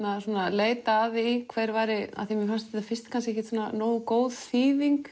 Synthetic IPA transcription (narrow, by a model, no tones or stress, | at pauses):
nasuːnaleːjt̪aːðikʰvɛːðɾvaːɾɪa̰θiamɪfanst̪ɪafɪst̪kʰanscehcɪ̥t̪suːnanoːwkoːwðfiːðiŋk